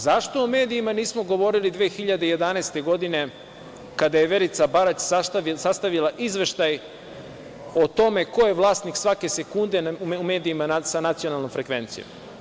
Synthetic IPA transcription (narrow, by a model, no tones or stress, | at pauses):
zaʃt̪o̞ume̞ːd̪iːmaniːsmo̞ɡo̞ʋo̞ɾilid̪ʋeːxiʎad̪eije̞d̪anaest̪e̞ɡo̞d̪ine̞ | kad̪aje̞ʋe̞ɾit̪sabaɾat͡ɕsast̪aisast̪aʋilaʔizʋe̞ʃt̪aj | ot̪o̞me̞ko̞je̞ʋlˠaːst̪niksʋake̞se̞kund̪e̞ume̞ːd̪iːmaasanat̪sio̞nalnomfɾekʋe̞nt̪sḭjo̰m